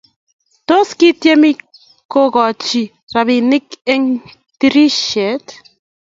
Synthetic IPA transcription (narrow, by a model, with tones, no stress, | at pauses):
to˦ski˦tjɛ˦mi˦ | ko˦kɔ˨t͡ʃi˨ | ra˨βi˨nɪ˦kɛ˦ŋ | ti˦ɾi˦ʃɛ˨˦t